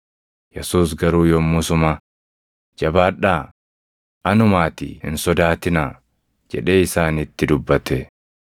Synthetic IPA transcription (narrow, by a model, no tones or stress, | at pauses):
jɛsuːs̬ɡɐɾuːjomːʊsʊma | d͡ʒɐbaːᶑaː | ʔɐnʊmaːt̪ɪ̰hɪ̰nsɔd̪aːt̪ɪnaː | d͡ʒɛ̰ᶑe̞ːɪsaːnɪt̪ːɪd̪ʊbːɐt̪ɛ